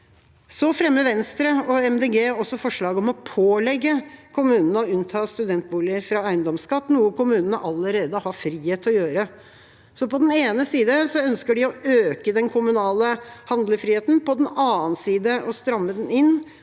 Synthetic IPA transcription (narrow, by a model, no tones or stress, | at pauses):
sɔfɾɛmːəʋɛnst̪ɾəɔɛmd̪eːɡeːɔsːɔfɔʂɭɑːɡəɔmɔpʰoːlɛɡːəkʰʊmʉːnənəɔʉnt̪ʰɑːst̪ʉd̪ɛnt̪̚buːlɪəɾfɾɑæɪnd̪ɔmskɑt̪ːnuːəkʊmʉːnənəʔɑlːəɾeːd̪əhɑɾfɾiːheːt̪ʰɔjøːɾə | sɔpɔd̪ɛneːnəsiːd̪əsɔœnskəɖɪɔøːkəd̪ɛnkʰʊmʉnɑːləhɑnd̪ləfɾiːeːt̪n̩pɔd̪ɛnɑːənsiːd̪əʔɔst̪ɾɑmːəd̪ɛnɪnː